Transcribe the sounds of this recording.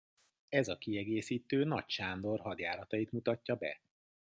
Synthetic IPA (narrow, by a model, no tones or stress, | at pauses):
ɛzɒkiɛɡeːsiːt̪øːnɒcʃaːnd̪o̞rɦɒd̪jaːɾɒt̪ɒjit̪mut̪ɒcːɒbɛ̰